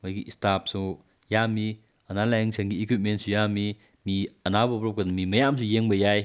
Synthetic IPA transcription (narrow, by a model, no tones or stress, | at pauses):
mojɡiʔistap̚su | jami | ɐnalajŋsʰenɡiekwip̚ment̚sujami | miɐnabɐːp̚ɾɔp̚kadɐmimɐjamsʰujeŋbɐjaj